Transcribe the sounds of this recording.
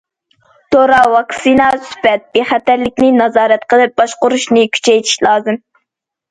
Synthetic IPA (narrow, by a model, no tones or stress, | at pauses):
t̪ʰoɾɑwɑksinɑspɛt̪̚b̥eχæt̪æɾlɪk̚ʲnɪnɑzɑːɾɛt̪qəlˠɨp̚bɑʃqʊɾuʃnɪkʲʰy̥t͡ʃʰɛjt̪ʰi̥ʃlˠɑːzɨm